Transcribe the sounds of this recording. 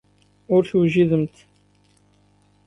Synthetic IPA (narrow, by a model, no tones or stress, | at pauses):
ʊɾθwʒiðəmt̪